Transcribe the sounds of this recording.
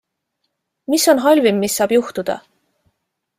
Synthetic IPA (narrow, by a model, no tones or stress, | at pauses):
miso̞nɦɑlʲvimːisːɑːb̥juht̪ud̪̥ɑ̰